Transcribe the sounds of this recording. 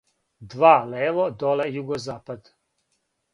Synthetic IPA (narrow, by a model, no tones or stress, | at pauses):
d̪vaːlɛːvɔd̪ɔlɛjuɡɔzaːpad̪